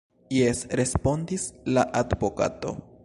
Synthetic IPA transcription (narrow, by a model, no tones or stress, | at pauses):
jesɾe̞spo̞ndislaʔadbo̞ka̰to̞̰